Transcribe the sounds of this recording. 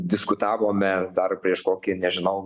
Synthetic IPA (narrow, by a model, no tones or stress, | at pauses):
d̪ʲɪskʊt̪ɑːʋoːmʲɛd̪ɐrpʲɾʲiɛʃkoːkʲɪnʲɛʒʲɪnɐʊ